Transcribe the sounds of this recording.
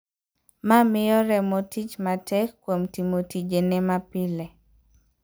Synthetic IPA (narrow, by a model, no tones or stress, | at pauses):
mamɪjɔɾɛmotit͡ʃmatʰɛkːwomtimotid͡ʒenɛmapɪle